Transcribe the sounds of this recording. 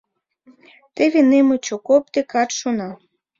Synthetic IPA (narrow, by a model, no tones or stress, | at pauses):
t̪evʲinemɨt͡ɕokop̚t̪ekɑt̪ʃonɑ